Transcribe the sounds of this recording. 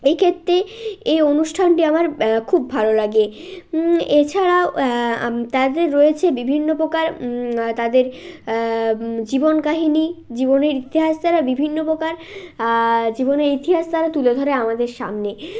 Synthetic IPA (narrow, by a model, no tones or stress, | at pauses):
ekʰet̪ːɾeeonuʃʈʰanʈiamaɾkʰubːʱalolaɡe | et͡ɕʰaɾao | t̪ad̪eɾːoet͡ɕʰebibʱinːopokaɾt̪ad̪eɾ | d͡ʑibonkaɦinid͡ʑiboneɾit̪iɦast̪aɾabibʱinːopɾokaɾ | d͡ʑiboneɾit̪iɦast̪aɾat̪uled̪ʱoɾeamad̪eɾʃa̰mne